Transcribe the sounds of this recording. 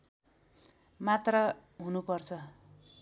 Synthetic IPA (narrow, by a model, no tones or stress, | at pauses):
mat̪rʌɦunupʌrt͡sʰʌ